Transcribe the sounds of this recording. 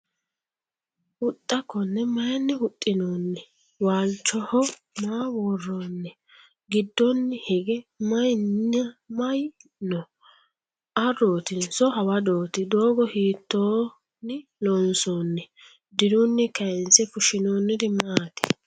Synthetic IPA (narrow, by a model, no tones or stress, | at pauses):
hʊt̪ʼːɐkːɔnːɛmɐjnːɪhʊt̪ʼːɪnoːnːɛ | waːlt͡ʃːɔhɔ | maːwoːrːoːnːɛ | ɡɪd̪ːɔnːɪhɛɡɛmɐjɐmɐjnɔ | ɐro̞ːt̪ɪnsɔhɐwɐd̪oːt̪ɪd̪o̞ːɡɔhiːt̪ːoː | nɪlɔnsoːnːɛ | d̪ɪɾʊnːɛkɐjnsɛfʊʃɪnoːnːɪd̪ɪmaːt̪ɪ̥